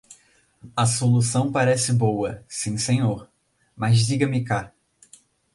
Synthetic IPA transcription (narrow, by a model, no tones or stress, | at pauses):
ɐsolusɐ̃w̃paɾɛsɪbowɐsĩsẽɲoɾ | mɐzdiɡɐmɪka